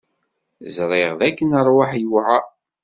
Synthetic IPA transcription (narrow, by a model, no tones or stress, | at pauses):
zɾˤɪʁðækːənəɾˤwaħjuwʕa